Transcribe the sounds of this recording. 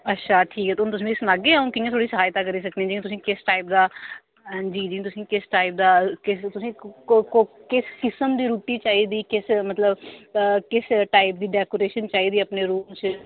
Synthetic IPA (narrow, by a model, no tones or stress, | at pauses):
ətːʃʰaːʈʰiːkɦɛːt̪ʊnt̪ʊs̬ĩɪsnaːɡeːaːũːkɪj̃t̪ʰoːɽiːsəɦaːjt̪aːk̬əɾiːs̬ək̚d̪eɛ̃d͡ʒĩt̪ʊsĩːkɪsʈaːɪp̚d̪ãː | d͡ʒiːd͡ʒĩːt̪̬ʊsĩːkɪsʈaːɪp̚d̪aːkɪst̪ʊsĩːokokɪskɪsəmd̪iːɾuːʈiːt͡ʃaːɦiːd̪iːkɪsmət̪ləb | kɪsʈaːɪp̚d̪iːɖɛːkoːɾeːʃənt͡ʃaːiːd̪iːəpneːɾuːmt͡ʃ